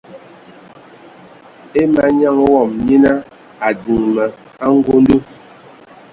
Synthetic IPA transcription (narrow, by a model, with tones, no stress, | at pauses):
e˦ma˨˦ɲa˦˨ŋwɔ˨mɲi˦na˦ | a˨d͡zi˨ŋmə˨ | a˦ŋ̩˦ɡo˦n˦du˦